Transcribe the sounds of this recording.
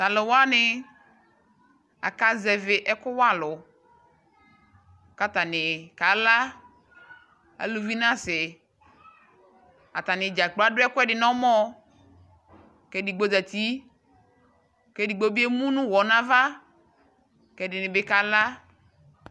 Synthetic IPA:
ta˨lo˨wa˦nɪ˨ | a̰˨ka˨˦zɛ˨vɪ˨ʔɛ˦kʊ˦wa˦lʊ˨ | ka˦t̪a˨nɪ˨ka˨la˦ | a̰˨lu˨vi˦nã˦sɪ˨ | a̰˨t̪a˨nɪ̃˨d͡ʒa˨k͡pla˦dʊ˦ɛ˦kʊ˦ɛ˦dɪ˨nɔ̃˦mɔ̃˦ | kɛ˦di˨ɡ͡bo˦zɛ˨t̪i˦ | kɛ˦di˨ɡ͡bo˦bi˦e˦mũ˦nũ˦wɔ˨nã˦va˦ | kɛ˨dɪ˨nɪ̃˨bɪ˦ka˨la˦

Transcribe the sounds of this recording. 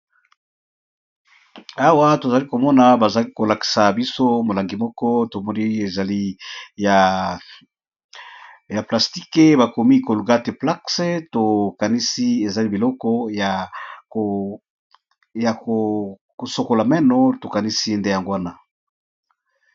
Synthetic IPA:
a˦wa˦to˨za˨li˦ko˨mɔ˦na˨ba˨za˨li˦ko˨la˨ki̥˨sa˨bi˦so˦mo˨la˨ŋɡi˨mɔ˦kɔ˦to˨mɔ˦ni˦e˨za˨li˦ja˨ | ja˨pla˨sti˦ke˦ba˨ko˨mi˦ko˨lu˨ɡa˦te˨pla˦kse˦to˨ka˨ni˦si˦e˨za˨li˦bi˨lɔ˦kɔ˦ja˨o˨ | ja˨ko˨ | ko˨so˨ko˨la˨mɛ˦nɔ˨to˨ka˨ni˦si˦nde˦ja˨ŋɡo˦wa˦na˦

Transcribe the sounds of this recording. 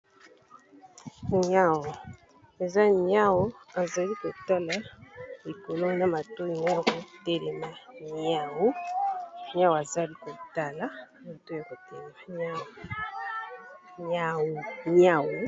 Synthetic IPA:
ɲa˦˨wɔ˨ | e˨za˦ɲa˦wɔ˦a˨za˨li˦ko˨ta˦la˦li˨ko˨lo˦na˦ma˨to˦i˨na˦ja˦ko˨te˨ɾi˨ma˦ɲa˦˨wu˦ | ɲa˦wa˨za˦li˦ko˨ta˨la˦ | ma˨to˦˨a˨ko˨te˨ɾi˨ma˦ɲa˦w | ɲa˨ɲa˨wu˨˦

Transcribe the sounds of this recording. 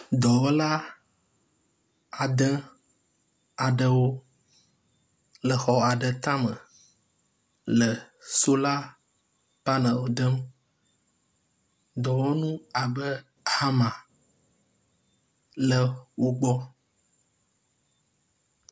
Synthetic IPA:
d̪ɔ˨wo˦la˦ | a˨d̪ə̃˦ | a˨ɖə˦wo˦ | lə˨xɔ˨a˨ɖə˨t̪ã˦mə̰̃˨ | lə˨ | so˦la˦ | pa˦nə̃˨wo˨d̪ə˦m | d̪ɔ˨wo˦nũ˦a˨bə˦ | ha˦mã˨ | lə˨wo˦ɡ͡bɔ˦

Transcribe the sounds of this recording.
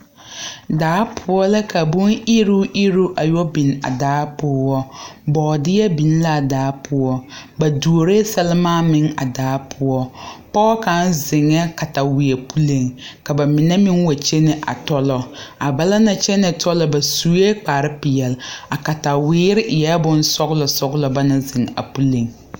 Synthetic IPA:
daː˨˦pʰʊ˦ɔ˦la˦ka˨bu˦ni˦ɾu˦ʔi˦ɾu˦ʔa˨jɔ˦bi˨na̰˨daː˨˦pʊː˦wɔ˦bɔː˨dɪ˦jɛ˦bi˨n˦la˦˨daː˨˦pʰʊ˦ɔ˦ba˨du˨o˨ɾe˦sɛ˦lɪ˦maː˦mɪ˨ŋa̰˨daː˨˦pʰʊ˦ɔ˦pɔ˦ka˦nzɪ˨ŋːɛ˦ka˨ta˨wɪ˨e˨pu˦le˨ŋka˨ba˨mɪ˨nɛ˦mɪ˦ŋwa˨t͡ʃe˦nɪ˦ʔa̰˨tɔ˦lɔ˨a˨ba˨la˦na˨t͡ʃɛ˦nɛ˨tʰɔ˦lɔ˦ba˨su˦je˦k͡paː˨ɾɪ˦pɪ˨jɛ˨la˨ka˨ta˨wɪː˦ɾɪ˦ʔɪ˨jɛ˦bʊ˦n˦sɔ˦ɣlɔ˨sɔ˦ɡlɔ˨ba˦na˦zɪ˨ŋa̰˨pu˦le˨ŋ

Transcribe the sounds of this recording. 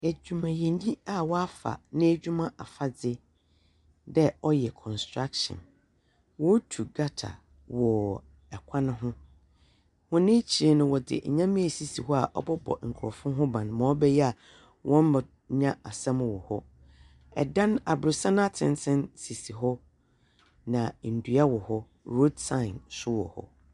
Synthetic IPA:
æ˨d͡ʑᶣu˨mã˨jɛ̃˨ɲ˦ɲĩ˦a˦wɔ˦a˦fa̰˨nɪ̃˦æ˦d͡ʑᶣu˦mã˦ʔa˨fa˨d͡zɪ˦ | dɛ˦ɔ˦jɛ˨kʰɔ̃˨nstʰɾa˦kʃɔ̰̃˨n | wɔ˦tʰu˨ɡa˦tʰa̰˨ | wɔ˨ | ɛ˨kʷʰã˦nɪ̃˦ɦʊ̃˦ | hʊ̃˦nɪ̃˦t͡ɕʰi˨e˦nʊ̃˨wɔ˨dɪ̰˨ɲã˦mĩ˦ɛ˨si˨si˨ɦɔ˦a˨ʔɔ̰˦bɔ˦bɔ̰˨ŋ̩˨kʰʊ˨ɾɔ˨fʊ̃˦ɦʊ̃˦bã˨n˨mã˨ɔ˦bɛ˦jɛ˦a˨ | wʔɔ̃˦m˦ma˨ | ɲã˦a˨sã˦mʊ̃˦wɔ˨hɔ˦ | ɛ̰˨dã˦na˨bɾʊ˨sã˦na˦˨tʰɪ̰̃˨nsʰɪ̃˦nsi˨si˨ɦɔ˦ | nã˨n̩˨du˨a˦wɔ˨hɔ˦ | ɾo˦dsã˦˨ɪ̃˨nsʊ˦wɔ̰˨hɔ̰˦

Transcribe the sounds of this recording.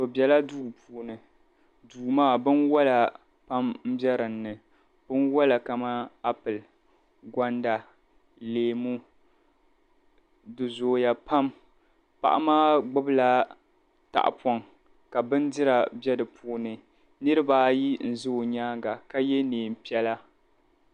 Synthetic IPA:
o˨bjɛ˨la˦duː˦˨pʰuː˨nɨ˨ | duː˨maː˦˨bɨ˦nwɔ˦la˨ | pa˦mm̩˦bɛ˦ɾɨ˨nːɨ˨ | bɨ˦nwɔ˦la˨ka˨ma˦a˦pɨ˨l | ɡʷa˦nda˨ | leː˨mu˦ | dɨ˨zoː˨ja˦pa˦m | pa̰˨ʔa̰˦maː˦ɡ͡bʊ˦bɨ˦la˦ | ta̰˨ʔa̰˨pɔ˨ŋ | ka˨bɨ˦n˦dɪ˦ɾa˨bɛ˦dɨ˨pʰuː˦nɨ˨ | nɨ˦ɾɨ˦baː˦ji˦n̩˨zo˦˨ɲaː˦ɡa˨ka˦jɛ˦neː˨m˨pi˦ɛ˦la˦

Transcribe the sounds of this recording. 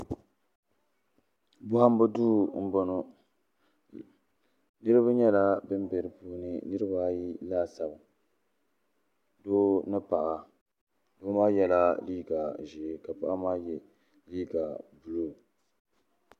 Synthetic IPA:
bʊ˦ha˦m˦bɨ˦duː˦˨m̩˦bo˦no˨ | nɨ˦ɾɨ˦ba˦ɲɛ˦la˦bɨ˦m˦bɛ˨ɾɨ˨puː˦nɨ˨nɨ˦ɾɨ˦ba˦ji˦laː˦sa˨ba˨ | doː˦nɨ˦pa˨ʔa˨ | doː˦maː˦jɛ˦la˦liː˦ɡa˨ʒi˨ka˨pa˨ʔa˦maː˦jɛ˨ | liː˦ɡa˨bu˨lo˦˨

